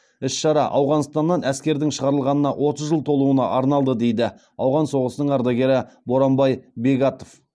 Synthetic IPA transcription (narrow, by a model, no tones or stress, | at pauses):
ɪsʃɑɾɑ̰ʔɑwʁɑnst̪ɑnːɑnæskʲe̞ɾd̪ɪŋʃəʁɑɾəlˠʁɑnənɑwʔo̞t̪əzʒəlˠt̪ʰo̞lˠuənɑ̰ʔɑɾnɑlˠd̪əd̪e̞jd̪ɪ | ɑwʁɑnso̞ʁəsənəɴɑɾd̪ɑɡʲe̞ɾɪbo̞ɾɑmbɑjbe̞ɡɑt̪o̞f